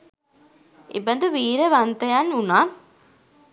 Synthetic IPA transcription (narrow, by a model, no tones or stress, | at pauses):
ḛbənd̪uʋiːɾəʋant̪ɐjanunaːn